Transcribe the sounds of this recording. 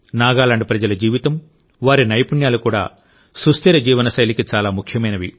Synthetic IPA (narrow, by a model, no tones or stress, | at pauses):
naːɡaːlaːɳɖpɾɐd͡ʒɐlɐd͡ʒiːʋit̪ɐm | ʋaːɾinɐjpuɳjaːlukuːɽa̰ː | sust̪iɾɐd͡ʒiːʋɐnɐsɐjlikit͡ʃaːlaːmukʰjɐmɐjnɐʋi